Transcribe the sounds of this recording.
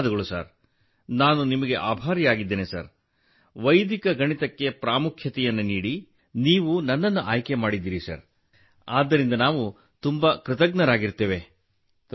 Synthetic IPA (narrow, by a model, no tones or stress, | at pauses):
d̪ɐɡɐɭusa̰ːɾ | naːnunimɐɡe̞ʔaːbʱaːɾjaːɡid̪ːeːnesɐ̰ɾ | ʋɐjd̪ikɐɡɐɳit̪ɐkːe̞pɾaːmukʰjɐt̪ɛjɐnːuniːɽi | niːʋunɐnːɐnːuʔaːjke̞maːɽid̪ːiːɾisɐ̰ɾ | aːd̪ːɐɾind̪ɐnaːʋu | t̪umbɐkɾɪt̪ɐɡnɐɾaːɡiɾt̪eːʋe